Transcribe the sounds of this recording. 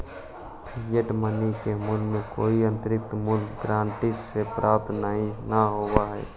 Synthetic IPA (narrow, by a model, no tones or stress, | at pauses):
pʰɪjəʈmənikemʊlmẽkoːiə̃nt̪əɾɪk̚t̪mʊlɡɾaːɳʈɪssepɾʔaːp̚t̪naɦĩnaɦowaɦɛ̰ː